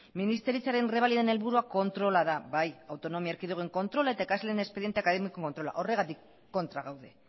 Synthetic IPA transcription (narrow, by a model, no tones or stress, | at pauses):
minist̪e̞ɾit͡saɾe̞nreβ̞aliðene̞lβuɾuako̞nt̪ɾo̞laðaβajawt̪o̞no̞miaɾkiðuɣeŋko̞nt̪ɾo̞lae̞t̪aekasleenespe̞ðjent̪eakaðemikoŋko̞nt̪ɾo̞la̰ʔo̞re̞ɣat̪ikː | o̞nt̪ɾaɣawðe̞